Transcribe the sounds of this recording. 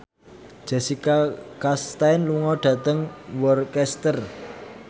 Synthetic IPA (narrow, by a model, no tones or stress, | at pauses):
ʒ̥a̤sikakast̪aɪnluŋɔɖ̥ä̤t̪əŋwɔrkɛst̪ər